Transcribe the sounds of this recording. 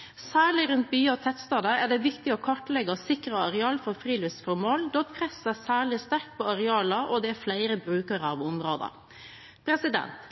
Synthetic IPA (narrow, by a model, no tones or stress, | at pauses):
sæːɭɪɾʉnt̪̚byːɑɔt̪ʰɛt̪ːst̪ɑːd̪əæɖɛʋɪkt̪ɪɔkʰɑʈlɛɡɑsɪkɾɑɑɾɛɑːlfɔɾfɾiːlʉst̪fɔɾmoːld̪ɔt̪pʰɾɛsæsæːɭɪst̪æɾkt̪̚pʰɔɑɾɛɑːlɑʔɔd̪ɛæɾflæɪɾəbɾʉːkəɾəɑʋʊmɾoːd̪ə̰ | pʰɾɛsɪd̪ɛ̰nt̪